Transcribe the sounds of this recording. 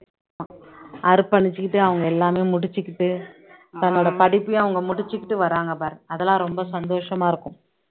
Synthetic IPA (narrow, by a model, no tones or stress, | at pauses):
ɐɾɯpːɐɳɪt͡ʃːɯkːɪʈːɯɐʋɐŋɡɐɛlːaːmeːmʊɽɪt͡ʃːɯkːɪʈːɯt̪ɐnːoːɽɐpɐɽɪpːɯj̃ɐʋɐŋɡɐmʊɽɪt͡ʃːɯkːɪʈːɯʋɐɾaːŋɡɐpaːɾɐðɛlãːɾɔmbɐsɐnd̪oːʂɐmaːɪɾɯkːɯm